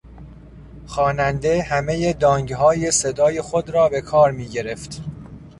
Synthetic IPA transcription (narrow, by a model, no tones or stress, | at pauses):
xɒːnænd̪e̞hæme̞jed̪ɒːŋɟɦɒːje̞se̞d̪ɒːje̞xod̪ɾɒːbe̞kʰɒːɾmiːɟe̞ɾe̞ft̪